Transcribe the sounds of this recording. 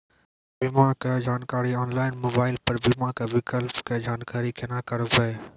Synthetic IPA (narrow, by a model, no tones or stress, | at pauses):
bɪmãked͡ʒaːnkaːɾiɔːnlaːɪnmoːbaːɪlpɐɾbɪmãːkeʋɪkəlpked͡ʒaːnkaːɾikʰenãːkɐɾʋeː